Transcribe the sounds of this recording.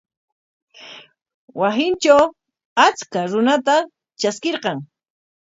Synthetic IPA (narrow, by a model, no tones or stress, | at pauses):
wasɪnt͡ʃaw | at͡skaɾʊnat̪a | t͡ʃaskeɾqɑŋ